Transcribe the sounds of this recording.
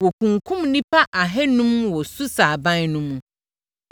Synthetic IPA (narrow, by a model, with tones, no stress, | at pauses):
wɔ˨kʰũ˨ŋkʰũ˦mnĩ˦pʰa˦ʔa˨ɦɛ˦nũ˦mwɔ˨su˦saː˨bã˦nnũ˦mũ˨